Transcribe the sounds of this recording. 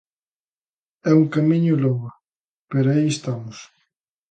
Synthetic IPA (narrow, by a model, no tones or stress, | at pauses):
ɛuŋkamĩɲʊlɔŋa | peɾaiest̪amʊs